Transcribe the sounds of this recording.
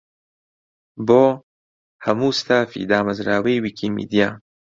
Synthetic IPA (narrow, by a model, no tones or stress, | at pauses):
boː | hɐmuːst̪ʰaːfḭd̪aːmɐzɾaːwejwiːkʰiːmḭːd̪ijaː